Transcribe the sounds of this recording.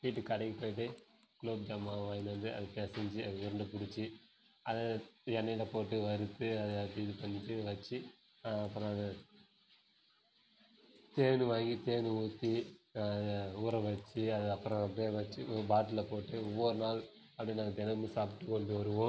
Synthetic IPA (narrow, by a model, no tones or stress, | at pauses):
ʋiːʈːɯkɐɽɐŋɡipoːjɪʈ̬ːɯ | kloːb̚d͡ʒɐmːaʋaːjɪnɐnd̪ɯɐ̰ðɯpeːsɛɲd͡ʒiɐðɯʋʊɾɐɳɖɯpʊɽɪt͡ʃːi | ɐðɛnːɐjlɐpoːʈːɯʋɐɾɯt̪ːɯɐðɯɐpiːðɯpɐnːɪt͡ʃːɯʋɐt͡ʃːi | ɐpːɯɾɔ̃ɐðɐ | t̪eːnɯʋaːŋɡit̪eːnɯuːt̪ːi | uːɾɐʋɐt͡ʃːiɐðɯɐpːɯɾɔ̃ɐpːeːʋɐt͡ʃːɯbaːʈːɯlɐpoːʈːɯɔʋːɔɾɯnaːl | ɐpːɐɽinaɐt̪ɛnɐmːɯsaːp̬ɪ̥ʈːɯkːɔɳɖɯɔɾɯʋõ